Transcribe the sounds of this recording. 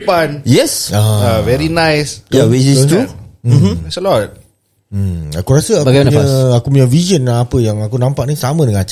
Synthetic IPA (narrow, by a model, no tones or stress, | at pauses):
panjɛsaavɛɾinãjsjawit͡ʃistu̥ | ɛsəlɔt̩̚ | akuɾasəabaɡajmanaɲaakupuɲavizənːpəjaŋakunãmpaʔ̚nisamə̃dəŋãnat͡ʃ